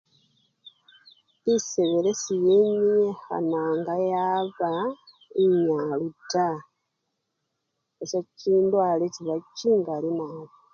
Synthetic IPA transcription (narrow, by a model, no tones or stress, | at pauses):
iseβelesijeɲiexa̰naːŋɡajaβa | iɲaluta | esaciːndwaleciβaciːŋɡalinaːβi